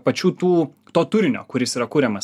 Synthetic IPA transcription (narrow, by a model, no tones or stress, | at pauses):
pɐt͡ʃʲuːt̪uː | t̪oːt̪ʊɾʲɪnʲo̰ːkʊɾʲɪsiːɾɐkuːɾʲɛmɐs